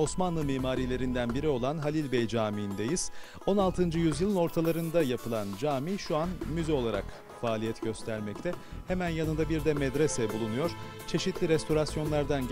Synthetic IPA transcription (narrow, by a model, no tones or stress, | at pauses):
o̞smanlˠɯmiːmaːɾiːlʲe̞ɾind̪ænbiɾio̞lˠanɦalʲilʲbɛjd͡ʒaːmind̪ejiz̥ | o̞nalˠt̪ʰɯnd͡ʒɯjyzjɯlˠɯno̞ɾt̪ʰalˠaɾɯnd̪ajapʰɯlˠand͡ʒaːmiʃuanmyzɛo̞lˠaɾa̰k | faːlʲijɛt̪ɟ̥ø̞st̪ʰæɾmɛct̪ʰɛhemænjanɯnd̪abiɾd̪ɛmɛd̪ɾesɛbulˠunujo̞ɾ̥ | t͡ʃʰe̞ʃit̪ʰlʲiɾɛst̪ʰo̞ɾasjo̞nlˠaɾd̪an